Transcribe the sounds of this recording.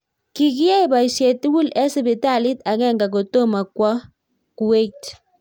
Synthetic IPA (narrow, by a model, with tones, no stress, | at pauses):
ki˨kɪ˦a˦i˨˦ba˨ʃe˨ti˦wu˦lɛ˦sbi˨ta˦˨li˦ta˨kɛ˦ŋɡa˨ko˨to˦ma˨kwa˦ | ku˨we˦t͡ʃ